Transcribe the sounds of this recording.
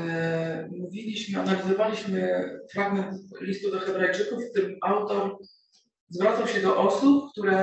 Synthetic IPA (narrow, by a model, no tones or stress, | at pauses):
muvʲilʲiɕmɘanalʲizɔvalʲiɕmɘfɾaɡmɛnt̪lʲist̪ud̪ɔxɛbɾajt͡ʂɘkufkt̪ɘmʔawt̪ɔɾ | zvɾat̪sawɕɛd̪ɔʔɔsup̚kt̪uɾɛ